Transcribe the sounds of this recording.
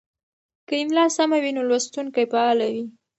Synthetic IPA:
kəɪmlɑsamawinolwast̪uŋkajpaɑlawi

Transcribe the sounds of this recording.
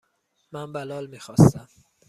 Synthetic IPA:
mænbælɒːlmiːxɒːst̪æm

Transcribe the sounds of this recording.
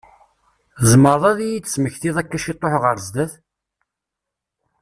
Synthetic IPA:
zməɾˤðˤæðijit͡sːə̥sməçθiðˤækːæʃit̪ˤːoħʁəɾzd̪əθ

